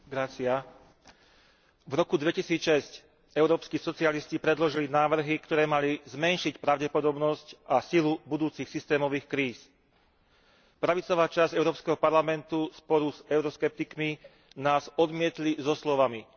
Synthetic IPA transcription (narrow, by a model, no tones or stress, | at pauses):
ɡɾat͡sɪa | vɾɔkud̪ʋɛcisiːt͡sʃɛsc | ɛʊɾɔːpskiːsɔt͡sialiscipɾɛd̪lɔʒilinaːʋr̩ɦikt̪ɔɾɛːmalizmɛnʃicpɾaʊɟɛpɔd̪ɔbnɔscʔasilubud̪uːt͡sixsist̪ɛːmɔʋiːxkɾiːs | pɾaʋit͡sɔʋaːt͡ʃazɛʊɾɔːpskɛɦɔpaɾlamɛnt̪uspɔɾuzɛʊɾɔskɛp̚t̪ikmi | naːzɔd̪mɪɛt̪lizɔslɔʋami